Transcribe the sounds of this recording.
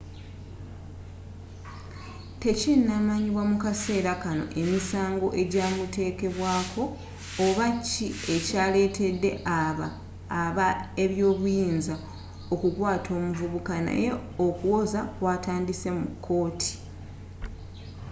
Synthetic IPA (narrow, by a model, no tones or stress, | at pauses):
te̞cinːamaɲiβwamukase̞ːɾakano̞̰ʔe̞misaːŋɡo̞ʔe̞ɟaːmute̞ːke̞βwaːkʰo̞ː | βacːie̞caːle̞ːtʰe̞dːe̞̰ʔaβaː | βae̞βjo̞ːβujiːnza | o̞kukwaːtʰo̞ːmuvuβukana̰je̞okuwo̞zakwaːtaːndise̞mukʰːo̞ːtʰi̥